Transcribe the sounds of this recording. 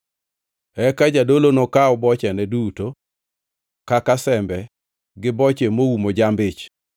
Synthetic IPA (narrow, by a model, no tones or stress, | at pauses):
ɛkad͡ʒadolonokaɔbɔt͡ʃɛnɛduto | kakasɛmbɛ | ɡɪbɔt͡ʃemoumod͡ʒambɪt͡ʃ